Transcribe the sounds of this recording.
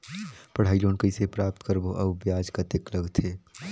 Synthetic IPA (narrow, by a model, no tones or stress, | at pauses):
pəɽ̤aːiloːnkəisepɾaːp̚t̪kəɾboʔɐbbjaːd͡ʒkat̪ekləɡt̪ʰeː